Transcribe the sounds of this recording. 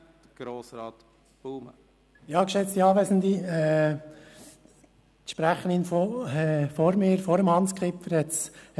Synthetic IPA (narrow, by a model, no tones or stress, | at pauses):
d̥əɡ̥ɾoːsɾɑːt̪ | b̥uːmə̰ | jɑːkʃɛt͡st̪iɑːʋɛzn̩d̪iɛː | t̪ʃpɾæχəninfoɛfoɾmɪːɾfoɾəmhɑnskχɪpfəɾhɛts